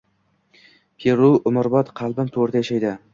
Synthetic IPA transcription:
pʰeɾʊʊmʊɾbɒt̪qʰɑlˠbɪmt̪ʰoɾt̪ajaʃajd̪ɪ

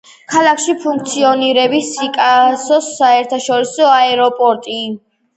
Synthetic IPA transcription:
kʰalˠakʃipʰuŋkʰt̪sʰiɔniɾɛbisikʼasɔsaɛɾt̪ʰaʃɔɾisɔaɛɾɔpʼɔɾt̪ʼi

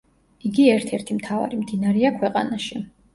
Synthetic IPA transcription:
iɡiɛɾt̪ʰɛɾt̪ʰimt̪ʰava̰ɾimd̪inaɾɛakʰwɛqʼa̰naʃi

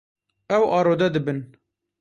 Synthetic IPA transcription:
ɛwʔɑːɾoːd̪ɛd̪ɨbɨn

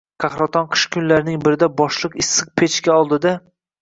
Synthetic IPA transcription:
kʰɑχɾat̪ʰɒnqʰɨ̥ʃkʲʰʊnlaɾnɪŋbɪɾɪd̪abɒʃlˠɨqɪsːɨq̚pʰet͡ʃkʲaɒlˠd̪ɪd̪a

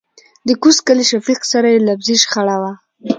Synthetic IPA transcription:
d̪əkuskaliʃafiqsaɾajelabziʃxaɽawa

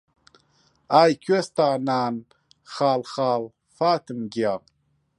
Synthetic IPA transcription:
aːjkʰɥest̪aːnaːn | xaːlxaːl | faːt̪ɨmɡija

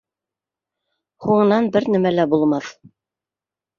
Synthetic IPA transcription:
huɴɤ̆nɑnbɘɾnæmælæbulˠmɑθ

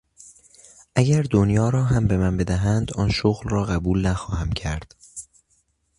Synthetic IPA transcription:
ʔæɟæɾd̪onjɒːɾɒːɦæmbe̞mænbe̞d̪æɦænd̪ɒːnʃoɣlrɒːɣæbuːlnæxɒːhæmcʰæɾd̪̥

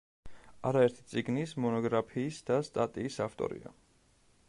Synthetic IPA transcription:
aɾaɛɾt̪ʰi̥t̪sʼiɡnismɔnɔɡɾapʰiːsd̪ast̪ʼat̪ʼiːsaft̪ʼɔ̰ɾḭa̰

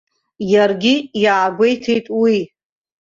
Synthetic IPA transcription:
jarɡʲijaːɡʷejtʰejtʼwi

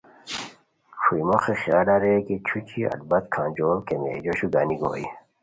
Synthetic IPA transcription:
ʂuimoxixjaːlaɾeket͡ɕʰut͡ɕʰiɐ̰d̪̚bɐt̪kʰãːnd͡ʑoːlkemḛːd͡ʑoɕuɡaniɡo̰ːḭ

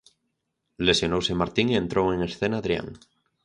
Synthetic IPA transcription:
le̞sjo̞nowsemaɾt̪iŋiẽ̞nt̪ɾoweŋe̞sθe̞naðɾja̰ŋ

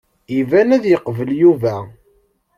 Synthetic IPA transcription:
ivænæðjəqvəljuvæ

